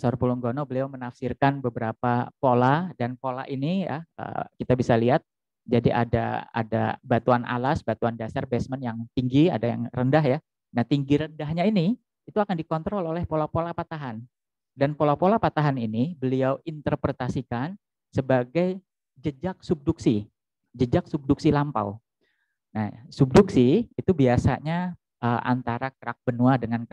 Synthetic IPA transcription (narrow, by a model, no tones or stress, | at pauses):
sɔrpulɔŋɡonɔbəliawmənafsirkanbəbəɾapapoladanpola̰ʔinija̰ə̰kit̪abisaliɦat̪̚ | d͡ʒadiʔa̰da̰a̰da̰bat̪uanʔa̰lasbat̪uandasarbɛsmənjaŋt̪iŋɡia̰daja̰ŋrəndaɦja | naht̪iŋɡiɾəndaɦɲaini | it̪uakandikɔnt̪ɾɔlolɛhpolapolapat̪aɦan | danpolapolapat̪aɦaninibəliawint̪ərpɾet̪asikan | səbaɡaj | d͡ʒəd͡ʒak̚sub̚duksi | d͡ʒəd͡ʒak̚sub̚duk̚silampa̰w | na̰hsup̚duksiit̪ubiasa̰ɲa | ʔəʔa̰nt̪aɾakəɾa̰k̚b̥ənuadəŋan